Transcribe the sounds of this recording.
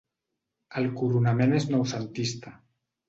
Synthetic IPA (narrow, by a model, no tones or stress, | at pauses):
əlkuɾunameneznowsənt̪ist̪a